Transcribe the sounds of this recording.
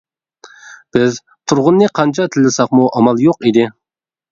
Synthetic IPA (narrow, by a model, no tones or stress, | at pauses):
b̥ɪz | t̪ʰuɾʁʊnːɨqʰɑnt͡ʃʰɑt̪ʰɪlːɪsɑqmuʔɑmɑlˠjoqid̪ɪ